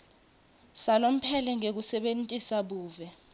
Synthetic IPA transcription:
salom̩pʰɛlɛŋek̬usɛɓentʼisaɓuːvɛ

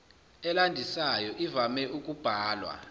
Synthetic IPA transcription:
ɛlandʱisajɔʔivamɛʔuk̬ʼub̥ʱaːlwa̰

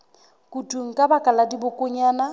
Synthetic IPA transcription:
kʼutʼuŋ̩kʼabakʼaladibʊkʼʊɲaːna

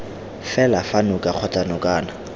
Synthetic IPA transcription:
fɛlafanʊkʼaq͡χʰɔtʼanɔkʼaːna

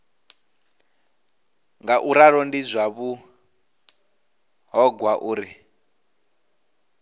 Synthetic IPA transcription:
ŋɡaʔuɾaɾɔndizʷaβu | ɦɔɡwaʔuːɾi

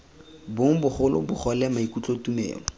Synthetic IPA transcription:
bʊŋ̩bʊχʊlʊ̰bʊχɔlɛmaikut͡ɬʼotumḛːŋɔ

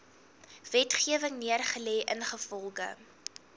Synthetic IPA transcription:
vɛtχiəvəŋniərχəlɛːʔənχəfɔlˠχə̰

